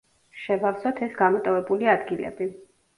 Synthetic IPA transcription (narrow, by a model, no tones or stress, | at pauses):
ʃɛvavsɔt̪ʰɛsɡamɔt̪ʼɔvɛbuliad̪ɡilɛ̰bi